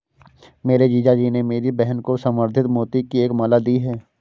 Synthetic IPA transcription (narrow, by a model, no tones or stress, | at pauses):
meːɾed͡ʒiːd͡ʒad͡ʒiːnemeːɾibɛɦənkosəməɾd̪ʱɪt̪moːt̪ikieːkmaːlad̪iːɦɛː